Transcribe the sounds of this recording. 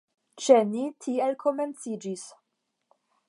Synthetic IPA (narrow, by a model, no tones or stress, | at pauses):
t͡ʃe̞nitʰielkʰo̞me̞nt͡sid͡ʒis